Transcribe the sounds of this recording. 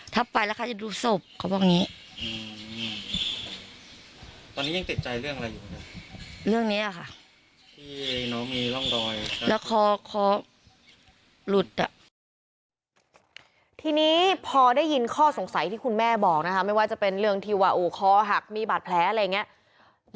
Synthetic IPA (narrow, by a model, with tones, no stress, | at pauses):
t̪ʰa˦˥˩pːa˧jlɛ˦˥kʰa˧˥˩t͡ɕa˨˩duː˧˩so˨˩p̚kʰa˨˩bɔː˧˩niː˦˥ | ʔɯː˧ | t̪ɔː˧niː˦˥ja˧ŋt̪i˨˩t̪̚t͡ɕa˧jɾɯ˥˩əŋʔa˧ɾa˧jːuː˨˩˦a˦˥˩ɾɯ˥˩əŋniː˦˥la˨˩kʰa˥˩ʔ | t̪ʰiː˥˩nɔ˦˥miː˧lɔ˥˩ŋdɔː˧jlɛː˦˥kʰɔː˧kʰɔː˧ | lu˨˩t̪̚ːa˨˩ʔ | t̪ʰiː˧niː˦˥pʰɔː˧daː˥˩jːi˧nkʰɔː˥˩so˩˦ŋsa˨˦jt̪ʰiː˥˩kʰu˧nmɛː˥˩bɔː˨˩k̚na˦˥kʰa˦˥ma˥˩jwaː˥˩t͡ɕa˨˩pe˧nɾɯ˥˩əŋt̪ʰiː˧waː˧ʔoː˧˩kʰɔː˧ɦa˨˩k̚miː˧baː˨˩t̪̚pʰlɛː˨˦˥ʔa˧a˧jːa˨˩ŋːi˦˥ɐ